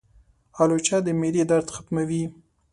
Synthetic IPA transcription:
ɑlot͡ʃɑd̪əmelid̪aɾt̪xat̪mawi

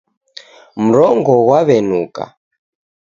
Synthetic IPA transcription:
m̩ɾɔŋɡɔwaβɛnuka̰

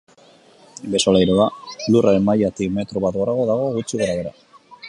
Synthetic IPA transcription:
be̞so̞lajɾoalurʔaɾe̞nmajat̪ikme̞t̪ɾoβat̪̚ɡoɾaɣo̞ðaɣ̞o̞ɣut͡ʃiɣaɾaβe̞ɾa̰

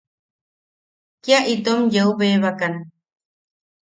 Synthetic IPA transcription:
kjaʔit̪omjəuβeːβakan

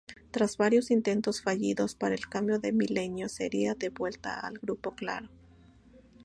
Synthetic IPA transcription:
t̪ɾazβaɾjo̞sint̪e̞nt̪o̞sfaʝiðo̞spaɾaelkambjo̞ðe̞mile̞njo̞se̞̰ɾiaðe̞βwe̞lt̪a̰a̰lɣɾupo̞kla̰ɾo̞

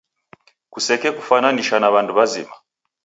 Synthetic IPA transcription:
kusɛkɛkufananiʃanaβanduβazḭma̰

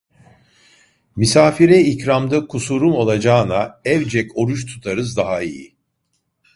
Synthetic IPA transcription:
misaːfiɾɛicɾamd̪akʰusuɾumo̞lˠad͡ʒaːnaɛvd͡ʒɛko̞ɾuʃt̪ʰu̥t̪ʰaɾɯzd̪aɦaijḭ

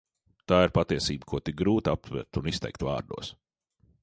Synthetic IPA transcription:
t̪aːiɾpat̪iɛsiːbəkʰuɔt̪ik̚ɡɾuːt̪ap̚t̪vɛ̰ɾt̪unist̪ɛ̰jkt̪va̰ːɾd̪ṵɔs

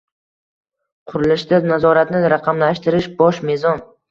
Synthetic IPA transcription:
qʰʊɾɪlɪʃd̪anazɒɾat̪nɪɾaqʰɑmlaʃt̪ɪɾɪʃbɒʃme̞zɒn

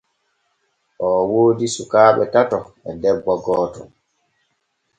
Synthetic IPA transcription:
ʔɔːwoːdisukaːɓɛtatɔ | ɛdɛbːɔɡɔːtɔ

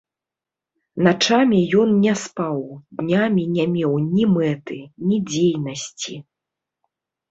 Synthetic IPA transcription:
nat͡ʂamʲijɔnnʲɛspawd̪nʲamʲinʲamʲɛwnʲimɛt̪ɨnʲid͡zʲejnɐsʲt͡sʲi

